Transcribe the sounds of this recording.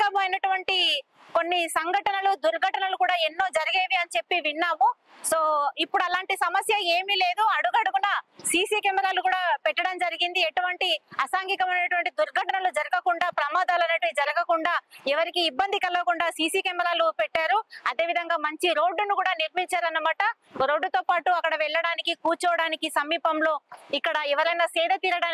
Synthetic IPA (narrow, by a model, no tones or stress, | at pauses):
ɐmuɐjnɐʈuʋɐɳʈi | ko̞nːisɐŋɡʱɐʈɐnɐlud̪uɾɡʱɐʈɐnɐlukuːɽaːenːo̞ːd͡ʒɐɾɐɡeːʋiɐnt͡ʃe̞pːiʋinːaːmu | so̞ːipːuɽuɐlaːɳʈisɐmɐsjɐeːmiːle̞ːd̪uɐɽuɡɐɽuɡunɐsiːsiːkɐmɛɾaːlukuːɽaːpɛʈːɐɽɐmd͡ʒɐɾiɡind̪ieʈuʋɐɳʈiɐsaːŋɡikɐmɐjnɐʈuʋɐɳʈid̪uɾɡʱɐʈɐnɐlud͡ʒɐɾɐɡɐkuɳɖaːpɾɐmaːd̪aːlɐnɐʈd͡ʒɐɾɐɡɐkuɳɖaːɛʋɐɾikiːbːɐnd̪ikɐlɐɐkuɳɖaːsiːsiːkɐːmɛɾaːlupɛʈːaːɾuɐd̪e̞ːʋid̪ʱɐŋɡaːmɐɲt͡ʃiɾo̞ːɖːunukuːɽaːniɾmiɲt͡ʃaːɾɐnːɐmaːʈɐ | ɾo̞ːɖːut̪oːpaːʈuɐkːɐɽɐʋɛɭːɐɽaːnikikuːɾt͡ʃɔːʋɐɽaːnikisɐmːiːpɐmlo̞ːikːɐɽɐɛʋɐɾɐjnɐsɛːd̪ɐt̪iːɾɐɽaː